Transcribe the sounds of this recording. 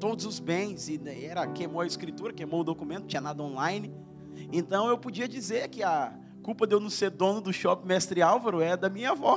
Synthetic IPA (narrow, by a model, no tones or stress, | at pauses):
t̪od̪ʊzʊzbẽj̃zɪɛɾɐkejmowɐɪskɾit̪uɾɐkejmowʊd̪okumẽnt̪ʊ̥t͡ʃĩɲɐnad̪ɐõnlajnɪ | ẽnt̪ɐ̃w̃ewpod͡ʒiɐd͡ʒizeɾkɪɐ | kuwpɐd̪ewnɐ̃seɾd̪õnʊd̪ʊʃɔpɪmɛst̪ɾɪawvɐɾʊɛɐd̪ɐmĩɲɐvɔ